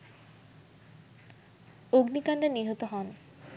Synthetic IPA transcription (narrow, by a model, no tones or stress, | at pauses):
oɡnikanɖeniɦot̪oɦɔn